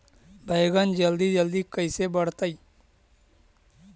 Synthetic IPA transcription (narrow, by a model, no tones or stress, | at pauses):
bʱəjɡənd͡ʒəld̪id͡ʒəld̪ikəisebəɽ̤t̪ai